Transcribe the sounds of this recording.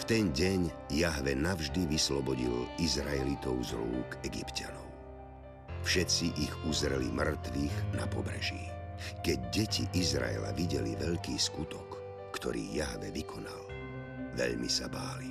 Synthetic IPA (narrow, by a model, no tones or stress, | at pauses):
ft̪ɛnɟɛɲjaɦʋɛnavʒd̪iʋislɔbɔɟilizɾaɛlit̪ɔʊzɾuːkɛɡipcanɔʊ | fʃɛt͡siʔiɣuzɾɛlimr̩t̪ʋiːɣnapɔbɾɛʒḭkɛɟ̚ɟɛciʔizɾa̰ɛ̰la̰ʋiɟɛliʋɛʎkiːskut̪ɔkː | t̪ɔ̰ɾḭːjaɦʋɛʋikʰɔnal | ʋɛ̰ʎmisabaːli